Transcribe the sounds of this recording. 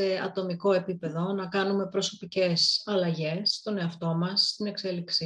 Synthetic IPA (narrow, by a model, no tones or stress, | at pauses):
se̞ɐ̰t̪o̞miko̞e̞pipe̞ðo̞nɐkɐnume̞pɾo̞so̞pice̞sɐlɐʝe̞sːt̪o̞ne̞ɐft̪o̞mɐsːt̪ine̞kse̞liksi